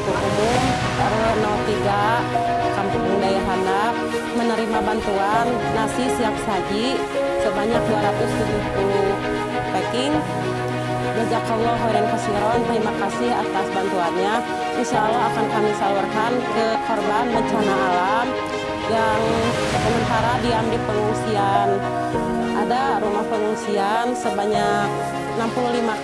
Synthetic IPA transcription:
tuubum | aɾunɔt̪iɡa | kampuŋuŋdajaɦanda | mənəɾimabant̪uanːasisiap̚sad͡ʒi | səbaɲak̚duaɾat̪ʊst̪ut̪uhku | pekɪŋ | ɡəd͡ʒakːaulɔɦaɾɛŋkəsiɾɔnt̪ɾimakasɪha̰t̪asbant̪uanɲa | səsalaːkankamisalurkankəkɔrbanbəɲt͡ʃanaalam | jaŋ | ssəmənt̪aɾadiambɪpəŋuŋsian | ʔadaɾumahpəŋuŋsiansəbaɲak̚ | nampululima

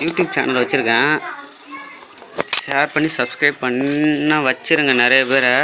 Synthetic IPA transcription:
juːʈjuːb̚t͡ʃa̰ːnɐlʋɐt͡ʃːɪɾɯkːɐ̃ | ʃeːɾpɐɳːisɐbskɾɐɪb̚pɐɳːãːʋɐt͡ʃːɪɾɯŋɡɐnɪɾɐjɐpeːɾɐ

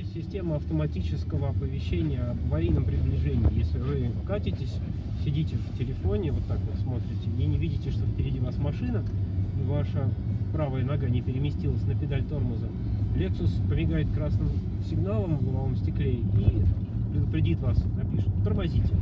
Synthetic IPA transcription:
sʲɪsʲtʲe̞məɐft̪əmɐtʲit͡ɕɪskəvəɐpəvʲɪɕːenʲɪjəɐvɐɾʲijnəmpɾʲɪblʲɪʐenʲɪːjesʲlʲɪvɨkatʲɪtʲɪsʲ | sʲɪdʲitʲɪftʲɪlʲɪfo̞nʲɪvo̞t̪ːakvot̪smo̞t̪ɾʲɪtʲɪenʲɪvʲidʲɪtʲɪʂt̪ofpʲɪɾʲɪdʲivasmɐʂɨnəivaʂəpɾavəjənɐɡanʲɪpʲɪɾʲɪmʲɪsʲtʲilˠəsʲnəpʲɪd̪alʲt̪o̞rmʊzə | lʲeksʊspəmʲɪɡajɪt̪kɾasnɨm | sʲɪɡnalˠəmvvaləmsʲtʲɪklʲei | pɾʲɪd̪ʊpɾʲɪdʲit̪vasnɐpʲiʂɨt̪t̪ərmɐzʲitʲɪ

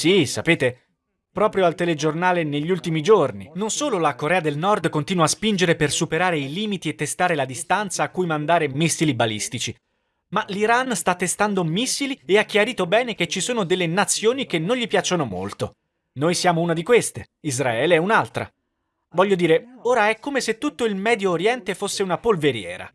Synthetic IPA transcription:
sisapeːt̪e | pɾɔːpɾjoalt̪eled͡ʒornaːleneʎːiult̪imid͡ʒorninonsoːlolakoɾɛːad̪elnɔrd̪kont̪iːnwaːspind͡ʒeɾepersupeɾaːɾeiliːmit̪iet̪ːest̪aːɾelad̪ist̪ant̪saːkːujmand̪aːɾemisːilibalist̪it͡ʃi | maliɾanst̪at̪ːest̪and̪omisːilieakːjaɾiːt̪obɛːnek̟et͡ʃːisoːnod̪elːenat̪sːjoːnik̟enːõnʎipjat͡ʃːonomo̰lt̪o̰ | noːjsjaːmounad̪ikwest̪e | izɾaɛːleɛunalt̪ɾa̰ | vɔʎːod̪iːɾeoːɾaɛkːomeset̪ːut̪ːoilmɛːd̪joːɾjɛnt̪efosːeunapolveɾjɛ̰ːɾa̰

